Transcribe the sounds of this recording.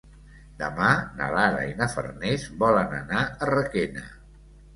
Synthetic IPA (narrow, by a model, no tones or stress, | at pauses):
d̪əmanə̰laɾə̰inəfə̰ɾnezbɔlənənaərəkenə̰